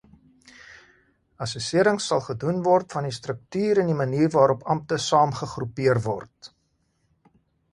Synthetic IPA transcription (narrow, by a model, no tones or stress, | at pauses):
ɐsusiəɾəŋsɐlˠχədunvɔrtfɐnistrək̚tyːɾəniməniːrvɑːɾɔpɐmp̚təsɑːmχəχrupiərvɔrt